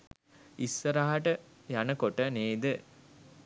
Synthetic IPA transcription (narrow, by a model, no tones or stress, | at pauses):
isːəɾaɦaʈə | janəkoʈəneːd̪ə